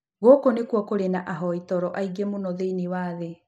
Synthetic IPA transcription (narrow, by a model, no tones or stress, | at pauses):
ɣokonekwɔkoɾenaʔaɦɔitɔɾɔʔaiɡemonɔðeinewaːðe